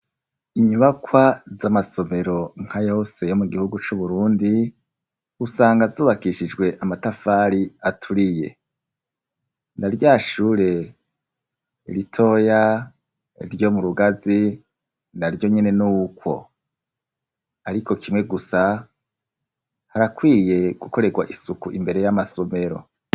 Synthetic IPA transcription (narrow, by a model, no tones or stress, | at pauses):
iɲuβakwazamaso̞me̞ɾo̞ŋ̥hajoose̞jo̞muɡihuɡut͡ʃuβuɾuːndi | usaːŋɡazuːβakiʃid͡ʒɡwe̞ʔamatafaːɾiatʰuɾije̞̰ | naɾɟaːʃuːɾe̞ | ɾitʰo̞ja | ḭɾjo̞muɾuɡazi | naɾjo̞ɲene̞nuːkwo̞̰ | aɾiko̞kʰimŋe̞ɡusa | haɾakwiːje̞ɡ̥uko̞ɾe̞ɡwaʔisukuʔimbe̞ɾe̞jamaso̞me̞ɾo̞̰